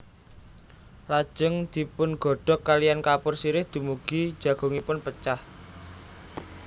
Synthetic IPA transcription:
lḁʒ̥əŋd̪̥i̤pʊnɡ̥ɔ̤ɖ̥ɔ̤kːalijankapʊrsiɾɪhd̪̥ṳmuɡ̥i̥ʒ̥ä̤ɡ̥o̤ŋipʊnpət͡ʃah

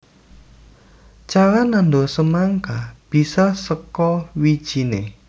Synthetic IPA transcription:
t͡ʃaɾanandosəmaŋkab̥isasəkɔwid̥ʒ̥i̤ne

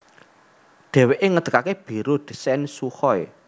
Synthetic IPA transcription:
ɖ̪̥ɛ̤weʔeŋəd̪̥əkakeb̥i̤ɾod̪̥i̤̥sɛnsuhɔj

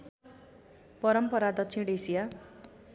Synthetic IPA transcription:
pʌɾʌmpʌɾad̪ʌksʰinɖesija

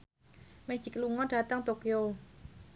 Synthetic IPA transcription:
med͡ʒ̥i̤kluŋɔnɖ̥a̤t̪aŋt̪okio

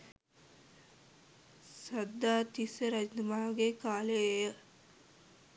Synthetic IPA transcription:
sɐd̪ːaːt̪isəɾɐd͡ʒnɐmaːɡekaːlejə

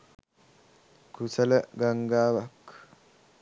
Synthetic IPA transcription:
kusɐlɐɡaŋɡaːʋɐk

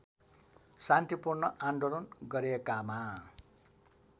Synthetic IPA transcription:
sant̪ipurnʌʔanɖolʌnɡʌɾekama

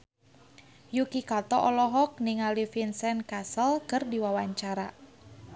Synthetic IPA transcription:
jukikat̪ɔʔɔlɔɦɔk̚niŋalifinsɛnkasəlkərdiwawaɲt͡ʃaɾa

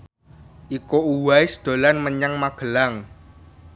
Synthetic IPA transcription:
ʔikouwaɪsd̪̥o̤lanməɲaŋmaɡ̥ə̤laŋ

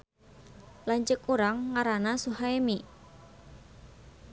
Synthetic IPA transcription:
laɲt͡ʃəkuɾaŋːaɾanasuɦaemi

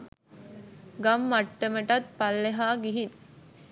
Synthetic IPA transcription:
ɡɐmːɐʈːəməʈɐt̪̚pɐlːeɦaːɡiɦin

